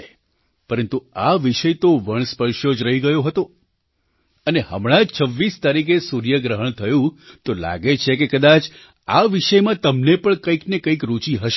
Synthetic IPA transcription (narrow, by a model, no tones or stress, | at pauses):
pəɾənt̪uaʋiʃəjt̪oʋəɳ̃spəɾʃjod͡ʒɾəɦiɡəjoɦət̪o | əneɦə̰mɽ̃ãd͡ʒt͡ʃʰəʋːist̪aɾik̬esuɾjəɡɾəɦəɳ̃t̪ʰəjũt̪ola̰ɡet͡ʃʰekekəd̪at͡ʃ | aʋiʃəjmãt̪əmnepəɳkəiknekəikɾut͡ʃiɦəʃ